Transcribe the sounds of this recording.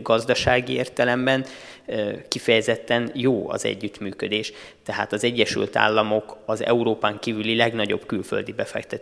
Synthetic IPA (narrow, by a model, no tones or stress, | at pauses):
ɡɒzd̪ɒʃaːɡieːrt̪ɛlɛmbɛn | kifɛjɛzɛt̪ːɛnjoːɒ̰zɛ̰ɟːyt̪myːkød̪eːʃ | t̪ɛɦa̰ːt̪ɒzɛɟːɛʃy̰lt̪a̰ːlːɒmo̞kɒzɛ̰uɾoːpaːŋkiːvylilɛɡnɒɟo̞bkylfø̞̰ld̪ibɛfɛ̰kt̪ɛt̪